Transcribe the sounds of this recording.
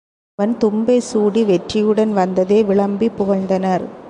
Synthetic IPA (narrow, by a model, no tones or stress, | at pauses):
ɐʋɐnt̪ʊmbɐɪsuːɽiʋɛʈrɪjɯɽɐnʋɐnd̪ɐðeːʋɪɭɐmbipʊɣɐɻnd̪ɐnɐɾ